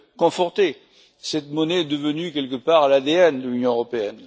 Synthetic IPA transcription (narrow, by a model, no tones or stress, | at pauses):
kɔ̃fɔʁt̪e | sɛt̪mɔnɛɛd̪əvənykʲɛlkəpaʁlad̪eɛnd̪əlynjɔ̃øʁɔpeɛn